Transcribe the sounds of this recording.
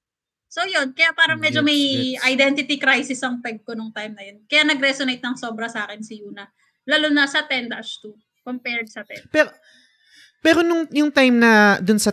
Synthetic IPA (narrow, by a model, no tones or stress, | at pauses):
sowjo̞nkɐjapaːɾɐŋmɛd͡ʒomɐjɐjd̪ɛnt̪ɪt̪ikɾajsɪsɐŋp̪ɛɡ̚konʊŋt̪ajmnɐjonkɐjanɐɡɾɛsonejt̪̚nɐŋso̞ːbɾɐsaːkɛnsɪjuːnɐ | laːlunɐsɐt̪ɛnd̪ɐst̪u | kompɛɹd̪̚sɐt̪ɛ̰pɛɾ | pɛːɾonʊŋjʊŋt̪ajmnɐd̪ʊnsɐ